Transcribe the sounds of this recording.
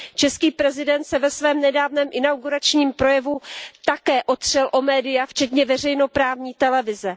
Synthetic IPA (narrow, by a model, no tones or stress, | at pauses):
t͡ʃɛskiːpɾɛzɪdɛnt̪sɛvɛsvɛːmnɛdaːvnɛːmʔɪnawɡuɾat͡ʃɲiːmpɾo̞jɛvut̪akɛːʔo̞t̪r̝̥ɛlʔo̞mɛːdɪjaft͡ʃɛt̪ɲɛvɛr̝ɛjno̞pɾaːvɲiːt̪ɛlɛvɪzɛ